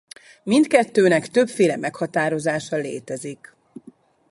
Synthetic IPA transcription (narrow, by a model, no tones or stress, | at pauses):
mint̪kɛt̪ːøːnɛkt̪ø̞pfeːlɛmɛkhɒt̪aːɾo̞zaːʃɒlḛːt̪ɛzik